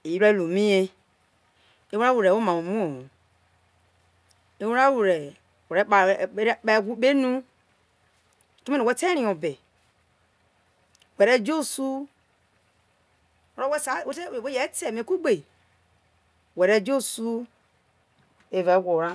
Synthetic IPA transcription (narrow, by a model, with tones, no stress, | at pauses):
i˨˦ɾa˦lu˨mĩ˦e˦ | e˦wɾa˦wu˨ɾe˨wo˦mã˨wu˨mũ˦o˨ | e˦wɾa˦wu˨ɾɛ˨ | wo˨ɾɛ˨˦k͡pa˨˦ɓe˦˨ɡʷu˦ɓe˦nũ˦˨ | tu˦mi˦nẽ˨wɛ˦te˦ɾĩ˨õ˨be˨ | wɛ˨ɾɛ˦d͡ʒo˦su˦ | o˦ɾo˦we˦sa˨˦˨wo˦te˦˨we˦jɛ˨˦te˨me˨ku˦ɡ͡be˨ | wɛ˨ɾɛ˦d͡ʒo˦su˦ | e˨va˨˦ɡʷo˨ɾa˦